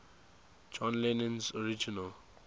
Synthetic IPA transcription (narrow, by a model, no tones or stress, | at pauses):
d͡ʒɔ̃nlɛnə̃nsɔɹid͡ʒinəl